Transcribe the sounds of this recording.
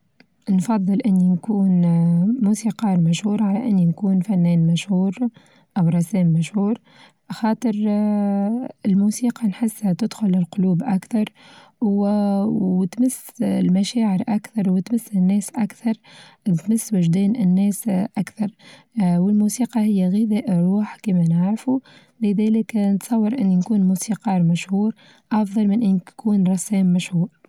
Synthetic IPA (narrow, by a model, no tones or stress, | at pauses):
nfɑðˤːɨlʔɪnːinkuːnmuːsiːqɑːɾmaʃhuːɾˤʕalæʔɪnːinkuːnfænːɛːnmaʃhuːɾ | ʔawɾˤɑsɛːmːaʃhuːɾ | ʔaxɑːt̪ˤɨɾˤ | ɪlmuːsiːqɑnħɪsːhat̪ɪd̪xʊlɪlqʊluːbʔakθɑɾˤ | wt̪mɪsːlmæʃæːʕɪɾʔakθɑɾˤwɪt̪mɪsːɪnːɛːsʔakθɑɾˤt̪mɪsːwɪʒd̪ɛːnɪnːɛːsʔakθɑɾˤ | wɪlmuːsiːqɑhɪjːæɣɪðæːʔɾˤuːħkiːmænaʕɾfu | lɪðæːlɪknət̪sˤɑwːɑɾˤʔɪnːinkuːnmuːsiqɑːɾˤmæʃhuːɾ | ʔɑfðˤɑlmɪnʔɪnːkʰuːnɾˤɑsɛːmːæʃhuːɾ